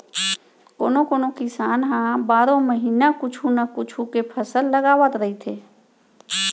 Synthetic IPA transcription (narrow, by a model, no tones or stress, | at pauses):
koːnokoːnokɪsaːnɦãbaːɾõməɦiːnakʊt͡ʃʰunakʊt͡ʃʰukepʰəsəlːəɡaːʋət̪ɾəɦit̪ʰeː